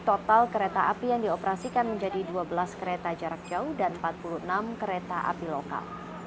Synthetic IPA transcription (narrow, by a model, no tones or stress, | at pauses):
t̪ot̪alkəɾet̪aʔapijaŋdiopəɾasikanməɲd͡ʒadiduabəlaskəɾet̪ad͡ʒaɾak̚d͡ʒaudanəmpat̪̚puluhənamkəɾet̪aʔa̰piloka̰l